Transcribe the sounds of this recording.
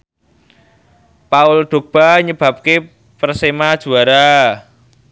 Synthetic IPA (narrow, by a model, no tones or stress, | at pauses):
paʊlɖ̪̥o̤ɡ̚b̥aɲəb̥a̤p̚ke | pərsemad̥ʒ̥ṳaɾa